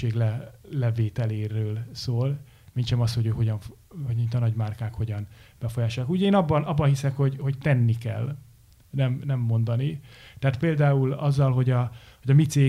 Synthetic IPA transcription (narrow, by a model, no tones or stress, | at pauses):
eːɡlɛlɛveːt̪ɛleːɾøːlsoːl | minʃɛmɒshojøːkho̞ɟɒɱf | mint̪ɒnɒɟmaːrkaːkho̞ɟɒnb̥ɛfojaːʃolɑkuːɟeːnɒbːɒnɒbːɒnhɦisɛkho̞ɟho̞ɟt̪ɛnːikɛ̰l | nɛmnɛmːo̞nd̪ɒnit̪ɛaːt̪peːld̪aːulɒzːɒlɦo̞ɟɒho̞ɟɒmit̪seː